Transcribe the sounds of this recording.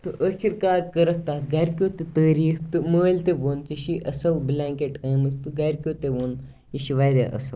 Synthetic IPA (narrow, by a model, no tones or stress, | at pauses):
t̪ɨʔəːkʰiɾkaːɾkɐɾɐk̚ʰt̪aːɡɐɾkʲjoːt̪et̪əːɾiːxt̪ɨməːlʲt̪eʋoːnt͡siʃiʔɐsɐlblʲaːŋkeʈeːmɨst̪ɨɡɐɾkʲoːt̪eʋoːn | jiʃiʋaːjd̪a̰ʔɐ̰sɐl